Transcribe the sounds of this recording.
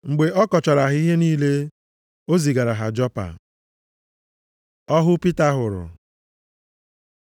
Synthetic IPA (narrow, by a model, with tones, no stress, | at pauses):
ŋ͡m̩˨ɡ͡be˨ʔɔ˦kɔ˨t͡ʃɔ˨ɾa˨ɦi˦ɦe˦niː˦le˦ | o˦zi˨ɡa˨ɾa˨ɦa˨d͡ʒɔ˦pa̰˨ | ɔ˦ɦʊ˦pi˦ta˦ɦʊ˨ɾʊ̰˨